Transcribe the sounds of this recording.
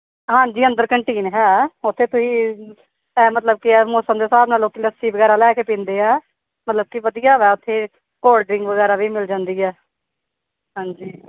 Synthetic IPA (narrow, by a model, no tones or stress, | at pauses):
ɦãːɲd͡ʒiːənd̪əɾkəɳʈiːnɦɛːʊt̪ʰːeːt̪ʊsĩː | ɛːmət̪ləb̚kɪɛːmoːsəmd̪eːsaːbnaːlokiləsiːʋəɡɛːɾaːlɛːkeːpĩːnd̪eːɛː | mət̪ləb̚kiʋəd̪ijaːʋɛːʊt̪ʰːeː | koːlɖɾɪ̃ŋɡʋəɡɛːɾaːʋiːmɪld͡ʒãːnd̪iːɛː | ɦãːd͡ʒiː